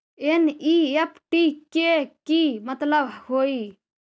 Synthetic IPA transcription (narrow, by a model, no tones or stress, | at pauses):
eniepʰʈikekimət̪ləbʱhoi